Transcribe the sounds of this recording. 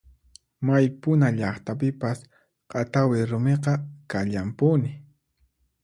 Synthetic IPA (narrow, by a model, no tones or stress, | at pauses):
majpʊnaʎɑχt̪apɪpas | qɑt̪awɪɾʊmeqɑkaʎampʊnɪ